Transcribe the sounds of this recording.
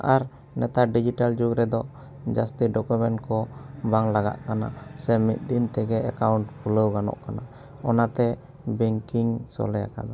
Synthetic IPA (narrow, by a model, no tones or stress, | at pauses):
ʔaɾ | nɛt̪aɖid͡ʒiʈald͡ʒuɡɾɛd̪ɔ | d͡ʒast̪iɖɔkumɛɳʈkɔbaŋlaɡa̰ʔ̪kana̰sɛmit̪̚ˀd̪int̪ɛɡɛakawɳʈkuləwɡanɔ̰ʔkana | ɔnat̪ɛ | bɛŋkiŋsɔ̰lɛja̰ka̰d̪ɔ